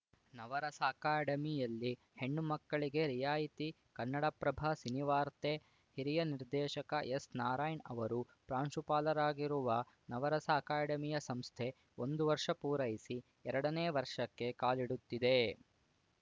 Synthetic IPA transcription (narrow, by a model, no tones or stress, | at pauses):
nɐʋɐɾɐsɐːkaːɖɐmijɐlːi | he̞ɳːumɐkːɐɭiɡe̞ɾijaːjit̪i | kɐnːɐɽɐpɾɐbʱaːsiniʋaːɾt̪e | hiɾijɐniɾd̪ɛːʃɐkɐjesnaːɾaːjnɐ̰ʋɐɾu | pɾaːɳʃupaːlɐɾaːɡiɾuʋɐ | nɐʋɐɾɐsaːkaːɽɐmijɐsɐmst̪ʰe̞ | ond̪uʋɐɾʂɐpuːɾɐjisi | ɛɾɐɽɐneːʋɐɾʂɐkːe̞kaːliɽut̪ːid̪e̞